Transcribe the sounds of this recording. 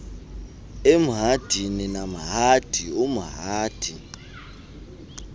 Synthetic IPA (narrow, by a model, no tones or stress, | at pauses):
em̩ɦad̥ʱininam̩ɦad̥ʱiumuɦaːd̥ʱi